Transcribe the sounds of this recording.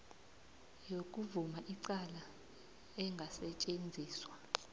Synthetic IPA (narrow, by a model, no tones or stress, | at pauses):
jokʼuvumaʔiǀala | ɛŋɡʱasɛt͡ʃʼend͡zʱiːswa